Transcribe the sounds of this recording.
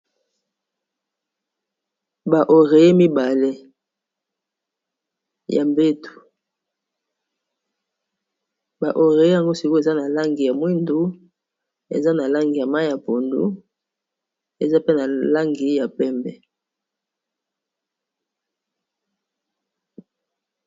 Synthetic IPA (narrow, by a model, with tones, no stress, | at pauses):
ba˨ʔo˨ʁe˨je˦mi˦ba˨le˦ | jʔa˨mbe˦tu̥˨ | ba˨ʔo˨ʁe˨je˦ja˨ŋɡo˦si˨ko˦e˨za˦na˨la˦ŋɡi˨ja˨mwi˦ndu˦ | ḛ˨za˦na˨la˦ŋɡi˨ja˨ma˦ja˨po˨ndṵ˦ | e˨za˦pe˦na˨la˦ŋɡi˨ja˨pɛ˦mbɛ˨